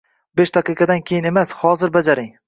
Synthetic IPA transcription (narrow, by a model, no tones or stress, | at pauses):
beʃd̪aqɨqʰɑd̪ankʲʰe̞jɪne̞mashɒzɪɾbad͡ʒaɾɪŋ